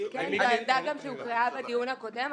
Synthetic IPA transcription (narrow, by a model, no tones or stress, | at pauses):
kenzaend̪aɡamʃeukʁaabad̪ijunhako̞dem